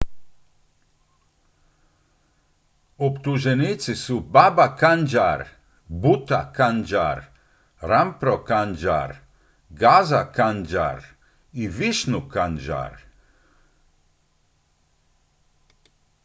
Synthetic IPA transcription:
ɔpt̪uʒɛnit̪sisubabakand͡ʒaɾ | but̪a̰kand͡ʒa̰ɾ | ɾampɾɔkand͡ʒa̰ɾ | ɡazakand͡ʒa̰ɾ | iʋiʃnukand͡ʒa̰ɾ

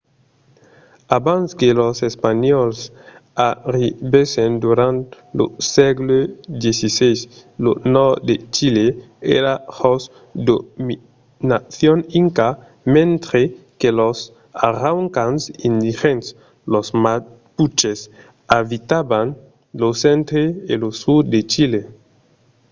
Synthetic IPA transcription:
abãnskelosespaɲɔlsaɾibesẽnd̪uɾãnt̪ | losɛɡlud̪jesisejslonɔɾd̪et͡ʃile | eɾahos | d̪omi | naθjoniŋka | mẽnt̪ɾekelos | aɾawŋkãnsĩnd̪ixẽns | losma | put͡ʃes | avit̪aban | losẽnt̪ɾeːlosud̪et͡ʃile

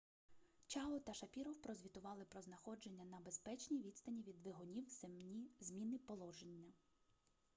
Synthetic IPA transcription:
t͡ʃɑlɔt̪ɐʃɐpʲiɾɔwpɾɔzʲʋʲit̪ʊʋɑlˠɪpɾɔznɐxɔd͡ʒe̞nʲːɐnɐbespɛt͡ʃnʲijʋʲid̪st̪ɐnʲiʋʲid̪ʋɪɦɔnʲiw | zmʲinɪpɔlˠɔʒenʲːɐ

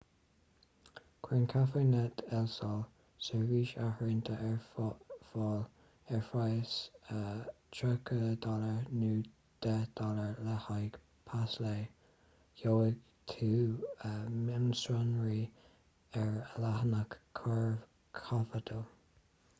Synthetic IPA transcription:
kʰwɪnkʰafənɛt̪ɛlsɔl | səɹviːʃahɹɪnt̪ʰəʔɛɹfɔl | ɛɹfajəsə | t͡ʃʰəkʰəd̪ɔləɹnuː | d̪̥ɛd̪̥ɔləɹləhajɡ | pʰasleː | joɪɡ | t̪ʰuːəmɪmsɹanɹi | ɛɹəlahənəkʰːɔɹ | kʰafəd̪ʰə

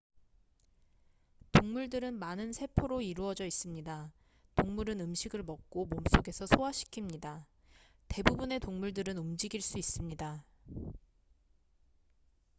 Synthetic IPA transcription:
toŋmuɭdɯɾɯnmanɯnsʰe̞pʰoɾoiɾuʌd͡ʑʌis͈ɯmɲida | toŋmuɾɯnɯmɕʰiɡɯɭmʌk̚k͈omoms͈oɡe̞sʰʌsʰoaɕʰi̥kʰimɲida | te̞bubune̞toŋmuɭdɯɾɯnumd͡ʑiɡiɭs͈uis͈ɯmɲida

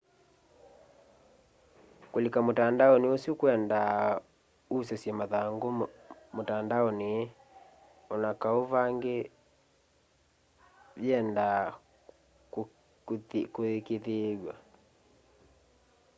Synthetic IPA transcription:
kolekamotandaɔneosjokwɛnda | usɛsjɛmaðaŋɡomotandaɔnee | ɔnakaoβaŋɡe | βjɛnda | koekeðeɡwa

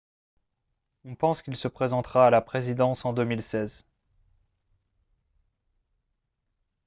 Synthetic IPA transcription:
ɔ̃pɑ̃skʲilsəpχezɑ̃t̪χaːlapχezid̪ɑ̃sɑ̃d̪əmilsɛz

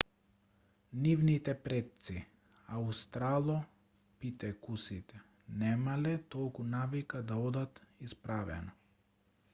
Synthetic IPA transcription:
nivnit̪ɛpɾɛt̪̚si | aust̪ɾalˠɔ | pit̪ɛkusit̪ɛ | nɛmalɛt̪ɔlˠkunavikad̪aɔd̪at̪ispɾavɛ̰nɔ

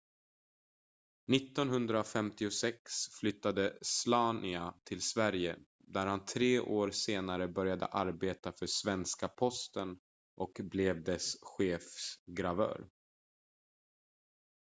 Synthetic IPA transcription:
nɪt̪ːɔnɦɵnd̪ɾafɛmt̪ɪʊsɛksflʏt̪ːad̪əslɑːnɪat̪ʰɪlsvæɾjə | d̪æɾhant̪ʰɾeːʔoːɾseːnaɾəbœɾjad̪ə̰ʔaɾbeːt̪afœʂvɛnskapʰɔst̪ən | ʔɔkblɛvd̪ɛsɧeːfsɡɾavœ̰ːɾ

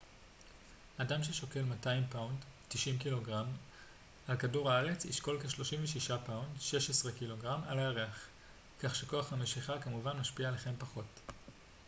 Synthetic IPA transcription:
adamʃ̬e̞ʃo̞ke̞lmataimpawndtiʃimkilo̞ɡʁam | alkaduʁaaʁe̞t͡sḭʃko̞lkeʃlo̞ʃimveʃiʃapawndʃe̞ʃesʁekilo̞ɡʁamaleaʁeaχ | kaχʃeko̞aχame̞ʃiχakamuvanmaʃpiaeleχe̞mpaχo̞t

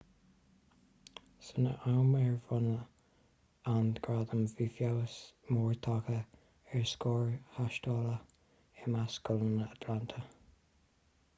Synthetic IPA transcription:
sənə̰ʔawmɛɹvɔnə | anɡɹad̪əmvifjawəsmɔːɹt̪ʰɑkə | ɛɹskɔːɹhaʃtɔːlə | ɪmaskʊlənəat̪ʰlant̪ʰə

